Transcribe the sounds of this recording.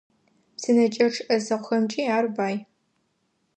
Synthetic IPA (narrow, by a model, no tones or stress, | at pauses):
psɨnɐt͡ʃʼɐʈ͡ʂʰʔɐzɐqʷxɐmt͡ʃʼiːaːrbaːj